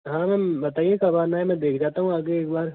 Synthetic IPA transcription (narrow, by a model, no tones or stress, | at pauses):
ɦãːmɛ̃bɐt̪aːiekɐbaːnaːɦemɛ̃ːd̪eːkʰd͡ʒaːt̪aɦũaːɡeeːkbaːɾ